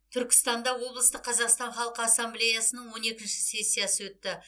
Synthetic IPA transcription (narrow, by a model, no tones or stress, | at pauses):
t̪ʰʏɾkʲɪ̥st̪ɑnd̪ɑwo̞blˠəst̪əqʰːɑzɑqst̪ɑɴχɑlˠəqəɑsːɑmblʲe̞jasənəɴwo̞ne̞kʲɪnʃɪ̥se̞sʲːijasəwɵt̪ːɪ